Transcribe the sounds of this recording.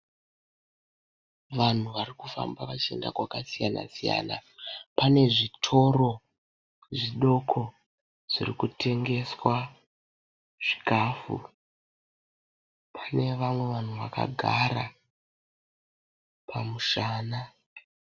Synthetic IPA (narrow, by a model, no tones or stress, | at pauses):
ʋan̤uʋarikufa̰mbaʋat͡ʃe̞̰nda̰kwakasijana̰sija̰ːna̰pane̞ʐitʰo̞ɾo̞ | ʐiɗo̞kʰo̞ | ʐ̥irikutʰe̞ŋɡe̞swa | ʐ̥ikafṵ | pʰane̞ʋamwe̞ʋan̤uʋaka̰ɡʱa̰ɾa | pʰamuʃaːna